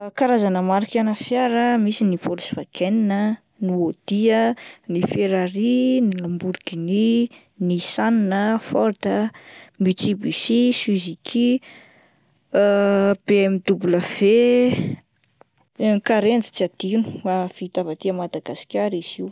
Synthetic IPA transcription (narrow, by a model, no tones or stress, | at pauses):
kaɾazanəmaɾikanəfjaɾəmisinifolusi̥v̥akʰeninə | niod̪̥iənifeɾaɾinilambuɾikini | nisaninəfɔɾt̪əmit͡sibisisizikʰi | b̥eemid̪ubuləv̥e | kaɾend͡zi̥t͡siad̪̥inu̥afit̪avat̪iəmad̪aɡasi̥kʲaɾiz̥iw